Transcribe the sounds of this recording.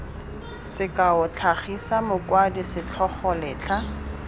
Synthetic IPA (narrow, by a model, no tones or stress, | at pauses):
sɪkʼaʊt͡ɬʰaχisamʊkwadisɪt͡ɬʰɔχɔlɪːt͡ɬʰa